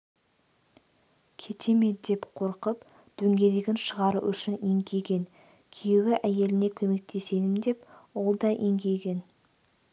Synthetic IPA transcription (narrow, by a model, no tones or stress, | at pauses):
kʲʰe̞t̪ʰe̞me̞d̪e̞pqʰo̞ɾqəp | d̪̥ɵŋɡʲe̞d̪e̞ɡʲenʃəʁɑɾəʔʏʃɪneŋɡʲe̞jɡʲe̞ŋ | kʲʰejwɪʔæje̞lɪne̞kʲʰɵme̞k̚t̪ʰe̞se̞d̪ɪmd̪e̞pwo̞lˠd̪ɑʔeŋɡʲe̞jɡʲe̞n